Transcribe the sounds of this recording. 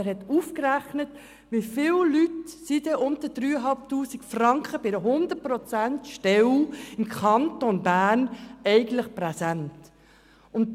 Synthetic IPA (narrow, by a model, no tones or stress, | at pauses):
ɛɾhɛtuːfkræχnət | ʋifɪllytsidɛʔʊntədɾyːəɦɑlp̚tuːsikfrɑŋkχəb̥ɪɾəɦʊnd̪ət̚prɔt͡sæntʃtɛwɪmkʰɑntonbæːɾnɛɪɡən̩tləχprɛsænt | ʊnt